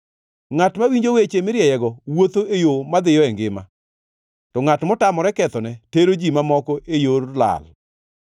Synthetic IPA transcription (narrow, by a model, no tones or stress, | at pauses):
ŋatmawiɲd͡ʒowet͡ʃemɪɾjɛjɛɡɔwot̪oejomad̪ɪjɔɛŋɡɪma̰ | tɔŋatmɔtamɔɾɛkɛt̪ɔnɛteɾod͡ʒimamɔkɔʔejoɾla̰l